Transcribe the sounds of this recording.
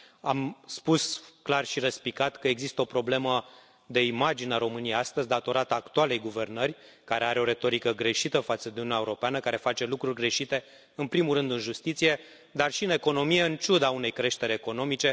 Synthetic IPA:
amspusklarʃiɾəspikat̪kəe̞ɡzist̪əo̞pɾo̞ble̞mə | d̪e̞imad͡ʒineaɾo̞mɨnijejast̪əzʲd̪at̪o̞ɾat̪ːkt̪uale̞jɡuve̞rnərʲ | kaɾe̞aɾeo̞ɾe̞t̪o̞ɾikəɡɾe̞ʃit̪əfat̪səd̪euniunaeuɾo̞peanəkaɾe̞fat͡ʃe̞lukɾurʲɡɾe̞ʃit̪e̞ | ɨnpɾimulɾɨnd̪ɨnʒust̪it̪sije̞ | d̪arʃiɨne̞ko̞no̞mije̞ɨnt͡ʃud̪aune̞jkɾe̞ʃt̪e̞ɾeko̞no̞mit͡ʃe̞

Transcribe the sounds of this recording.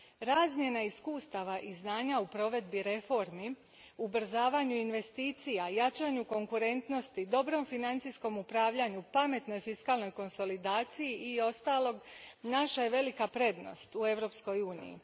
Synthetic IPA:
ɾaːzmje̞naiskuːst̪aʋaʔiznaːɲaupɾo̞ʋe̞d̪biɾe̞fo̞ɾmi | ubr̩zaːʋaɲuinʋe̞st̪iːt̪sijajat͡ʃaɲuko̞ŋkuɾe̞nt̪no̞st̪id̪o̞bɾo̞mfinant̪sijsko̞mupɾaːʋʎaɲupame̞t̪no̞jfiskaːlˠno̞jko̞nso̞lid̪aːt̪sijiio̞st̪aːlˠo̞ɡnaʃaje̞ʋe̞likapɾe̞d̪no̞̰st̪ue̞ʋɾo̞ːpsko̞juːnḭjḭ

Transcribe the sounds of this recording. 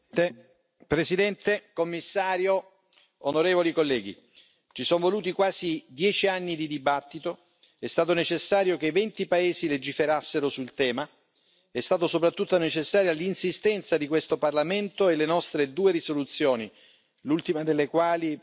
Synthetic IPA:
pɾesid̪ɛnt̪ekomːisːaːɾjo | onoɾeːvolikolːɛːɡḭ | t͡ʃisɔɱvoluːt̪̬ikwaːzid̪jɛːt͡ʃianːid̪id̪ibat̪ːit̪o | ɛst̪aːt̪̬onet͡ʃesːaːɾjok̟evɛnt̪ipaeːziled͡ʒifeɾasːeɾosult̪ɛːma | ɛst̪aːt̪̬osopɾat̪ːut̪ːonet͡ʃesːaːɾjalinsist̪ɛnt̪sad̪ikwest̪oparlament̪oelenɔst̪ɾed̪uːerisolut̪sːjoːni | lult̪imad̪elːekwaːli

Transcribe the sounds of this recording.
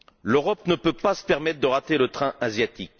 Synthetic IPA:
løʁɔp̚nəpøpasə̥pɛʁmɛt̪χd̪əʁat̪elət̪χɛ̃ʔazjat̪ik̚

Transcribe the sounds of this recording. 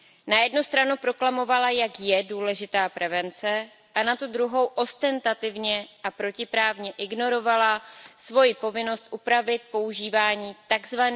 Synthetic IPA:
najɛdnust̪ɾanupɾo̞klamo̞valajakjɛduːlɛʒɪt̪aːpɾʔɛvɛnt͡sɛ | ʔanat̪ud̪ɾuɦo̞wʔo̞st̪ɛnt̪at̪ɪvɲɛʔapɾo̞cɪpɾaːvɲɛʔɪɡno̞ɾo̞valasvo̞jɪpo̞vɪno̞st̪ʔupɾavɪt̪̚po̞uʒiːvaːɲiːt̪aɡzvan

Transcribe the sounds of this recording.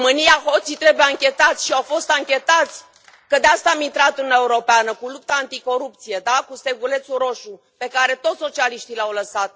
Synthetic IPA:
mɨnijaɦo̞t̪sit̪ɾe̞bujeaŋkʲe̞t̪at̪sʲʃiawfo̞st̪aŋkʲe̞t̪at̪sʲ | kəd̪east̪aːmint̪ɾat̪uɨnnaeuɾo̞peanəkulup̚t̪aant̪iko̞ɾup̚t̪sije̞d̪akust̪e̞ɡule̞t̪suɾo̞ʃu | pe̞kaɾe̞t̪o̞t̪ʲso̞t͡ʃialiʃt̪ilawləsat̪̚

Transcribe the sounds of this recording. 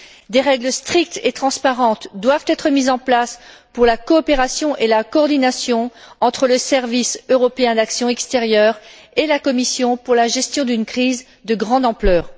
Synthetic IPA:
d̪eʁɛɡləst̪χik̚t̪et̪χɑ̃spaʁɑ̃t̪d̪wavt̪ɛt̪χəmizɑ̃plaspuʁlakɔːpeʁasjɔ̃ʔelakɔːʁd̪inasjɔ̃ɑ̃t̪χələsɛʁvisøʁɔpeɛ̃d̪aksjɔ̃ɛkst̪eʁjœʁ | elakɔmisjɔ̃puʁlaʒɛst̪jɔ̃d̪ynkχiz | d̪əɡʁɑ̃d̪ɑ̃plœːʁ

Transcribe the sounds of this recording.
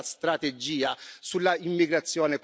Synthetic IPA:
st̪ɾat̪ed͡ʒːiːasulːaimːiɡɾat̪sːjɔːnek

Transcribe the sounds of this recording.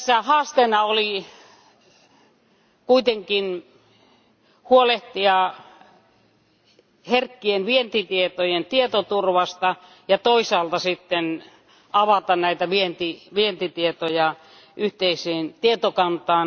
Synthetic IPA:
sːæhɑːst̪enɑoli | kuit̪eŋkin | huoleht̪iɑ | herkːienʋient̪it̪iet̪ojent̪iet̪ot̪urʋɑst̪ɑ | jɑt̪oisɑːlt̪ɑsit̪ːen | ɑʋɑt̪ɑnnæit̪æʋient̪iʋient̪it̪iet̪ojɑ | ʔyht̪eiseːnt̪iet̪okɑnt̪ɑːn

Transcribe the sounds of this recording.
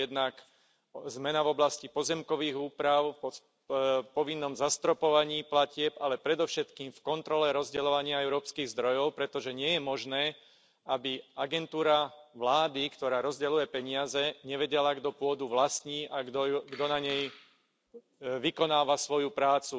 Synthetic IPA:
jɛd̪nak | zmɛnavɔblascipɔzɛmkɔʋiːɣuːpɾaʊpɔ | pɔʋinːɔmzast̪ɾɔpɔʋaɲiːplacɪɛpalɛpɾɛd̪ɔʊʃɛt̪kiːmfkɔnt̪ɾɔlɛɾɔzɟɛlɔʋaɲɪaɛʊɾɔːpskiːɣzd̪ɾɔjɔʊpɾɛt̪ɔʒɛɲɪɛjɛmɔʒnɛː | abiaɡɛnt̪uːɾaʋlaːd̪ikt̪ɔɾaːɾɔzɟɛlujɛpɛɲɪazɛɲɛʋɛɟɛlaɡd̪ɔpʊɔd̪uʋlasɲiːʔaɡd̪ɔnaɲɛj | ʋikɔnaːʋasʋɔjupɾaːt͡su

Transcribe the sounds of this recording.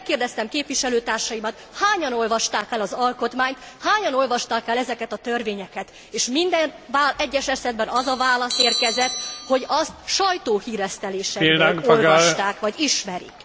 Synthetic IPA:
ɛkːeːrd̪ɛst̪ɛmkeːpʋiʃɛløːt̪aːrʃɒjimɒt̪ | haːɲɒno̞lvɒʃt̪aːkɛlɒzɒlko̞t̪maːɲt̪ | haːɲɒno̞lvɒʃt̪aːkɛlɛzɛkɛt̪ɒt̪ørveːɲɛkɛt̪ | eːʃmind̪ɛn | vaːlɛɟːɛʃɛsɛd̪bɛnɒzɒvaːlɒseːrkɛzɛt̪ho̞ɟɒst̪ʃɒjt̪oːhiːɾɛst̪ɛleːʃɛilaŋkpolɒʃt̪aːkʋɒɟiʃmɛɾḭk

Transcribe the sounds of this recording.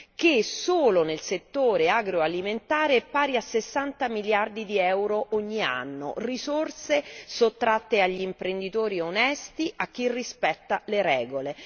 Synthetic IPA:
k̟esoːlonelset̪ːoːɾeaɡɾoaliment̪aːɾepaːɾiasːesːant̪amiljard̪id̪iɛwɾoʔoɲːia̰nːo̰risorsesot̪ːɾat̪ːeaʎːiːmpɾend̪it̪oːɾionɛst̪iʔak̟ːirːispɛt̪ːaleɾɛːɡole

